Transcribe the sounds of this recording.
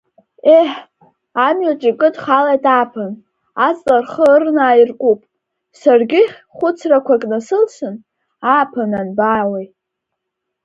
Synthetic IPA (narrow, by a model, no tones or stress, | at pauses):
eħ | amɥat͡ʃʼikʼɨdχalajtʼaːpʰɨn | at͡sʼlʼarχəɨrnaːirkʷʼupʼ | sarɡʲɪχʲ | χʷʊt͡sʰrakʷʰakʼnasɨlʃɨn | aːpʰɨnanbaːwej